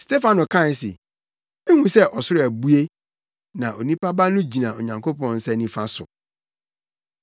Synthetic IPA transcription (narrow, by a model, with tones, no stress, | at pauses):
ste˦fã˨nʊ̃˨kʰã˦˨˦sɪ̰˨ | ẽ˦hũ˦sɛ˦ʔɔ˨sʊ˦ɾæ˨bu˦e˦ | nã˨ʔo˨nĩ˦pa˦ba˦nʊ̃˦d͡ʑi˨nã˨o˨ɲã˨ŋkʰo˦pɔ̃˦nn̩˦sɛ˦nĩ˦fã˦sʊ̰˨